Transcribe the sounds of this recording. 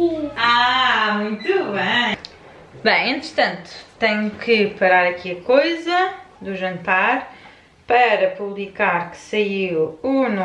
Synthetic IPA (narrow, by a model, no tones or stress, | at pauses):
amũj̃t̪uβɐ̃ | bɐ̃j̃ẽnt̪ɾɨt̪ɐ̃nt̪u̥t̪ɛɲukɨpɐɾaɾɐkiɐkojzɐ | d̪uʒɐ̃nt̪aɾ | pɐɾɐpuβlˠikaɾkɨ̥sɐiwun